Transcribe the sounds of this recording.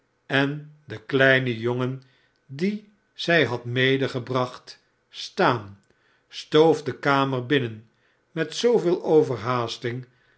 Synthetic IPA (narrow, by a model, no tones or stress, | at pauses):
ɛndəklɛjnəjoŋən | di | z̥ɛjɦɑtmejdəχəbrɑχt | staːn | stowfdəkaːməɹbɪnən | mɛtsowvɪːlˠʔowvəɹɦaːstɪŋ